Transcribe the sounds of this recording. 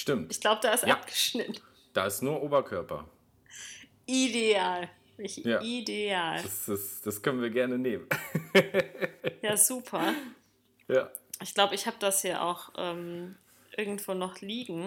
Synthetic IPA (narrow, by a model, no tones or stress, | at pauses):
ʃtɪmtɪçɡ̥laʊbəd̥aːɪstʔap̚ɡ̥ə̥ʃnɪtn̩ | d̥aːɪstnuːɐʔoːbɐkʰœɐpʰɐ̰ | ʔideaːl | ɪçjaːideaːlasɪsd̥askʰœnənviːɐɡɛɐnəneːmən | jaːzuːpʰɐ | jaːʔɪçɡ̥laʊbəɪçhaːbəd̥ashiːɐʔa̰ʊxʔɛːm | ʔɪɐɡŋ̩tv̥oːnɔχliːɡŋ̩